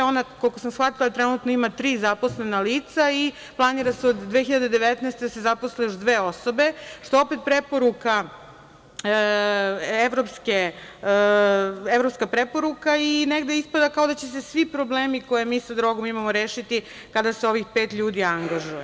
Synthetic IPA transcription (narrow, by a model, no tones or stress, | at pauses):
onakolkosamsxʋat̪ilˠat̪ɾenut̪noimat̪ɾiːzapo̞sle̞naliːt̪sai | plˠaniɾaseo̞d̪ːʋexiʎad̪ed̪eʋet̪nɛːst̪ed̪asezaposlejoʒd̪ʋeːo̞so̞be̞ʃt̪o̞o̞pe̞t̪̚pɾepo̞ɾuka | eʋɾopske | evɾo̞pskapɾepo̞ɾukaineɡd̪eispad̪akao̞d̪at͡ɕesesʋipɾo̞ble̞ːmiko̞jemiːsad̪ɾo̞ɡo̞mimamoɾeːʃit̪i | kad̪aseo̞ʋixpeːt̪ʎuːd̪iaŋɡaʒuje